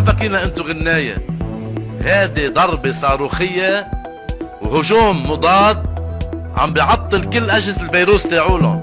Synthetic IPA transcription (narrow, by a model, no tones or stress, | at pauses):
afakiːnaʔɪnt̪ʊɣɪnːaːja̰ | haːd̪id̪ˤɑɾˤbesˤɑːɾuːxɪjːa | whʊʒuːmːʊd̪ˤɑːt̪̚ʕa̰mbjʕɑt̪ˤːɨlkɪlːʔaʒɪsɪlbajɾuːst̪eːʕuːlʊ